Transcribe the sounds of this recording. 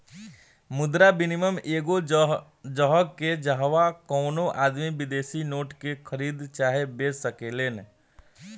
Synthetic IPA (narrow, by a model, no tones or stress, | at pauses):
mʊd̪ɾabɪnɪməmeːɡo | d͡ʒɔɦɡked͡ʒəɦʋakɔːnõʔaːd̪mibɪd̪eːsinoːʈkekʰəɾiːd̪t͡ʃaːɦebeːssəkeːleːn